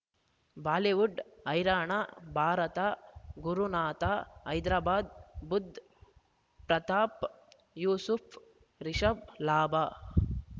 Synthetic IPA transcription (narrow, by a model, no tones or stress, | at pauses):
baːleʋuɖɐjɾaːɳabʱaːɾɐt̪aɡuɾunaːt̪aːɐjd̪ɾaːbaːd̪bud̪ʱ | pɾɐt̪aːp | juːsupʰ | ɾiʃɐblaːbaː